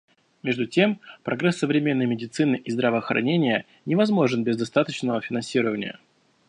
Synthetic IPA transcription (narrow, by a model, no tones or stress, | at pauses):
mʲe̞ʐd̪ʊtʲempɾɐɡɾɛsːəvɾʲɪmʲe̞nːəjmʲɪdʲɪt̪sɨnɨʔizd̪ɾəvəːxɾɐ̰nʲenʲɪjə | nʲɪvɐzmo̞ʐɨnbʲɪzd̪ɐst̪at̪ət͡ɕnəvəfʲɪnɐnsʲiɾəvənʲɪ̰jə̰